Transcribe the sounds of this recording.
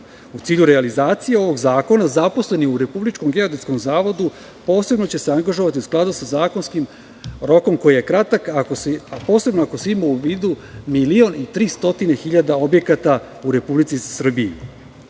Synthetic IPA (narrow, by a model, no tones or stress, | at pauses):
ut̪siːʎuɾealizaːt̪sijeo̞ʋo̞ɡzaːko̞nazapo̞sle̞niuɾe̞publit͡ʃkomɡe̞od̪eko̞mzaːʋo̞d̪u | po̞ːse̞bnot͡ɕe̞seaŋɡaʒoʋat̪iusklˠad̪usazaːko̞nskim | ɾo̞ko̞mko̞jije̞kɾat̪akakospo̞ːsebnoako̞seimouʋiːd̪umilio̞nit̪ɾiːst̪o̞t̪ine̞xiʎad̪ao̞bje̞kat̪a | uɾe̞publit̪sisr̩biḛ